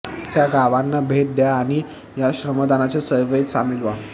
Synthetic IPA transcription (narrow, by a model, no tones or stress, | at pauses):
t̪jaɡaʋanːabʱet̪̚d̪jaːñi | jaɕɾəməd̪anat͡sesəjʋəisamilʋa